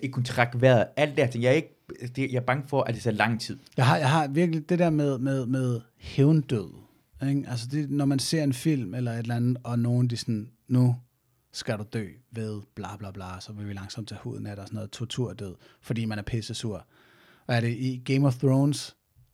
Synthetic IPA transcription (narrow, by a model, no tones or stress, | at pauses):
ekʰːunt͡sʰʁɑɡ̥ʋæɐðˠæl̰d̥æɐt͡sʰe̝ŋjɑ̈æɐe̝ɡ̥əd̥ejɑ̈b̥ɑ̈ŋəfɒʔæd̥e̥sʰeɐlɑ̈ŋ̰t͡sʰið̰ˠjɑ̈ɪɦɑ̈jɑ̈ɪɦɑ̈ʋiɐɡ̥əlid̥e̝d̥ɛɐmeð̞ˠmeð̞ˠmeð̞ˠ | heʊnd̥øð̞̰ˠ | eɡ̥ʔælsəd̥e̝nɒmænse̝ɐ̰e̝nfil̰melɐe̝d̥lænð̩ˠɒ̽no̝ːn̩d̥isɒnːu | sɡ̥æɾ̥ud̥ø̰ːʋe̝ð̞ˠb̥lɑ̈b̥lɑ̈ːb̥lɑ̈ːsɒ̽ʋe̝ʋilɑ̈ŋsɒ̽m̰d̥t͡sʰɛhṵːð̩ˠnmæd̥ɐːsɔno̽ːð̩ˠt͡sʰuɐt͡sʰuɐ̰d̥øð̞̩̰ˠ | fɒd̥ḭːmænæɐpʰesəsuɐ̰ | ʋæɐɾe̝ʔiɡ̥eɪmɒθʁoːns